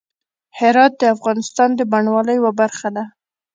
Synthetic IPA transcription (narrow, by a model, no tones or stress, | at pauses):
hɪɾɑt̪̚d̪əafɣɑnɪst̪ɑnd̪əbaɳwɑləjwabaɾxad̪a